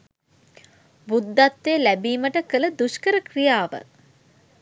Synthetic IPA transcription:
bud̪ːat̪ʋeːlæbiːməʈəkələd̪uʃkəɾəkrijaːʋə̰

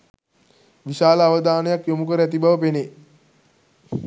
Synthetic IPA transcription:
ʋiʃaːləaʋəd̪aːnəjakjomukəɾəæt̪̬ibaʋəpene

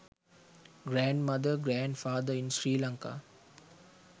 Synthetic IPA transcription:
ɡɾæ̃ːɳɖmɐd̪əɾɡɾæ̃ːɳɖfaːd̪əɾinsɾiːlaŋka̰ː

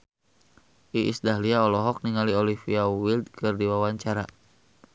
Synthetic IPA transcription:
ʔiʔisdaɦliaɔlɔɦɔk̚niŋaliɔlifiawild̪̚kɨrdiwawaɲt͡ʃaɾa

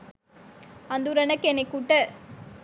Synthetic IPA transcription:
ɐnd̪uɾɐnɐkːɛnekːuʈːɐ

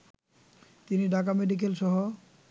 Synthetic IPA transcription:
t̪iniɖʱakameɖik̬elʃɔɦo

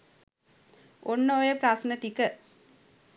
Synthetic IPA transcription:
onːoojəpɾasnət̪ikə

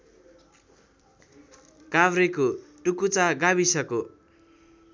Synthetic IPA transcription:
kabɾekoʈukut͡saɡaβisʌko

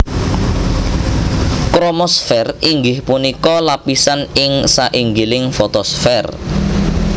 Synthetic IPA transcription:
kɾomɔsfɛriŋɡɪhpunikɔlapisanɪŋsaʔiŋɡilɪŋfot̪ɔsfɛr

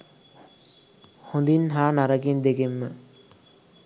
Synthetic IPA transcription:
hond̪inɦaːnaɾɐɡind̪eɡemːə

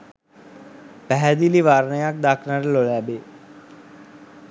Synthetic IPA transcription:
pæɦæd̪iliʋaːɾnəjak̚d̪aːkʰnaɾəlolæːbe

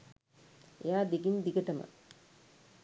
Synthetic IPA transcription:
ejaːd̪iɡind̪iɡəʈəmə̰

